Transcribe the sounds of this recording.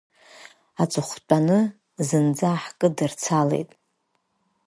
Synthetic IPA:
at͡sʼɨχʷt͡pʷʼanɨ | zɨnd͡zaħkʼɨdɨrt͡sʰalḛjtʼ

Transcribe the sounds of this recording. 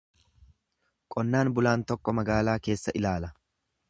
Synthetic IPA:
kʼɔnːaːnbʊlaːnt̪ɔkːɔmɐɡaːlaːke̞ːsːɐʔɪlaːlɐ

